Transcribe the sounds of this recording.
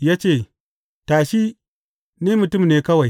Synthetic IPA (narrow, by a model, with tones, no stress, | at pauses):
jaː˦t͡ʃeː˦˨ | taː˨ʃi˦ | niː˦mʊ˨tʊ˦˨mneː˨kɐ˦wa˨j